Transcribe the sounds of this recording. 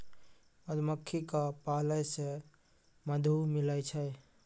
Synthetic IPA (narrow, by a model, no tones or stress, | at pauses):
əd̪məkʰːikapaləjse | məd̪ʱumiləjt͡ʃʰɛj